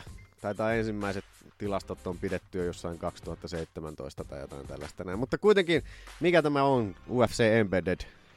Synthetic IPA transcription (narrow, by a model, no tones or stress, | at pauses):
t̪ɑit̪ɑiensimːæˑiset̪t̪ilɑst̪ot̪ːompidet̪ːyjjosːɑiŋkɑkst̪uhɑt̪ːɑseit̪ːemænt̪o̰ist̪ɑt̪ɑ̰jo̰t̪ɑ̰int̪æ̰lːæ̰st̪ænæˑimut̪ːɑkuit̪eŋkinmikæt̪æmæonuːefseːembeded